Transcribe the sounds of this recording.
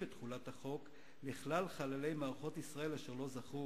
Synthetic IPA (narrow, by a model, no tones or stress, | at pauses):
betχulathaχo̞k | liχlalχalale̞jmaːʁaχo̞tisʁae̞laʃeʁlo̞zaχu